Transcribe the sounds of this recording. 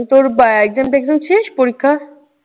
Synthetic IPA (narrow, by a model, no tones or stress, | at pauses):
t̪oɾbaeɡzemʈɛɡzamʃeʃpoɾikʰːa